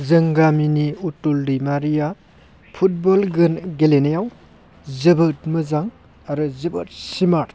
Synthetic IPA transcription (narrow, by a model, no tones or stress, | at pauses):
zɯŋɡaminiutuldimaɾija | pʰut̚bɔlɡɯnɡelenejaw | zɯbɯt̚mɯzaŋ | aɾɯzɯbɐt̚simat